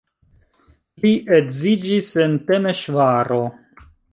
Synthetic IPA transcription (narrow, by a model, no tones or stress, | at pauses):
liʔeɡzid͡ʒisentemeʃvaɾo